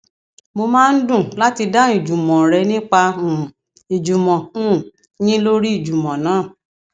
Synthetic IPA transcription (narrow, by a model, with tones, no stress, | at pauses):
mo˧mãː˦˧n̩˦dũ˦˨la˦ti˧da˦i˨d͡ʒu˨mɔ̃˨ɾɛ˨˦nĩ˦k͡pã˧˨ | i˨d͡ʒu˨mɔ̃˨ũ˦˨ | jĩ˦lo˦ɾi˦i˦˨d͡ʒu˨mɔ̃˨nãː˨˦˨